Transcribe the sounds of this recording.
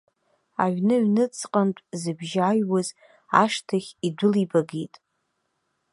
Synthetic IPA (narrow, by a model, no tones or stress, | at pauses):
a̰ɥnɨɥnɨt͡sʰqʼantʷʼzɨbʒajwaz | a̰ʂtʰaχʲidʷʊlibaɡitʼ